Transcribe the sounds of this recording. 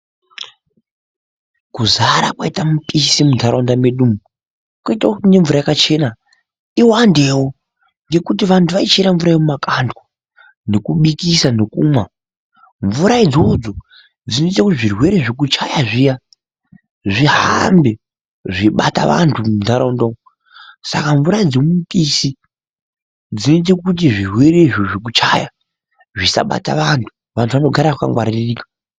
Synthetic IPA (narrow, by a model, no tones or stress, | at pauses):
kuzaɾakwaitamupisimuntʰaɾondameɗumu | kwaitakne̞ɱvuɾajakat͡ʃe̞na | iwandewo | ŋɡe̞kut̬iʋantʰuʋait͡ʃeɾaɱvuɾajemumakʰandwa | ne̞kuɓikisanekuːmwa | ɱvuɾaid͡zo̞d͡zo | d͡zinoitekutiʐirwe̞ɾe̞ʐek̬ut͡ʃajaʐija | ʐiɦambe | ʐiɓata̰ʋa̰ntʰumundʱaɾaundoŋo | sa̰kaɱvuɾad͡zemutʼisi | d͡zinoit̬ekut̬iʐirwe̞ɾeʐoʐik̬ut͡ʃaja | ʐisa̰ɓa̰ta̰ʋantʰu̥ | ʋantʰuʋanoɡʱaɾaaka̰ŋɡwaɾiririːkḁ